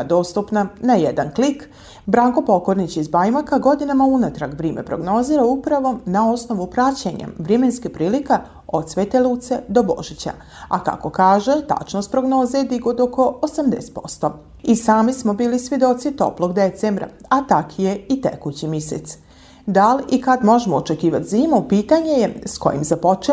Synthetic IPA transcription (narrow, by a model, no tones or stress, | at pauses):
d̪o̞ːst̪upnanajed̪anklik | bɾaŋko̞po̞ko̞ɾnit͡ɕizbajmakaɡo̞d̪inamaunat̪ɾaɡʋɾiːmʔḛpɾo̞ɡno̞ziːɾaupɾaʋo̞nao̞sno̞ʋupɾat͡ɕeɲa̰ʋɾemenskipɾiːlika | od̪sʋeːt̪elˠuːt̪sed̪o̞bo̞̰ʒit͡ɕa̰ | a̰ka̰ko̞kaːʒet̪a̰t͡ʃno̞st̪̚pɾo̞ɡno̞ːzed̪iɡod̪oko̞osamd̪est̪po̞st̪o̞ | isaːmismo̞biːlisʋʲje̞d̪o̞t̪sit̪o̞̰plo̞ɡd̪et̪sembɾa̰at̪akʰijeit̪ḛkut͡ɕimisḛt̪s | d̪alikad̪mo̞ʒemoːt͡ʃekiːʋat̪ziːmupiːt̪aɲe̞jesko̞̰jḭmzapo̞t͡ʃe